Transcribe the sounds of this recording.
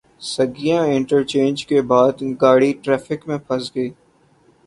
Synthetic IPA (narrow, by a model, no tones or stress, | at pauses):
səɡijãɪ̃ɳʈəɾt͡ʃẽːnd͡ʒkebaːd̪ɡaːɽiʈɾɛːfɪkmẽpʰɐsɡəiː